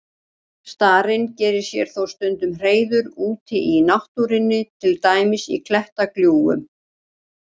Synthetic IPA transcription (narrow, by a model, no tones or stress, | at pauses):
st̪aːɾɪncɛːɾɪɾ̥sjɛɾ̥θowst̪ʏnt̪ʏmr̥eːjðʏɾuːt̪ɪʔinawht̪uɾɪnːɪt̪ʰɪlt̪aːjmɪsḭkʰlɛht̪akljuːɣʏ̰m